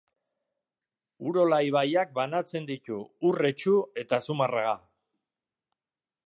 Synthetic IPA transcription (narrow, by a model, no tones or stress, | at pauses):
uɾo̞lajβajak̚banat͡se̞nd̪it̪uːre̞t͡ʃue̞t̪asumaraɣa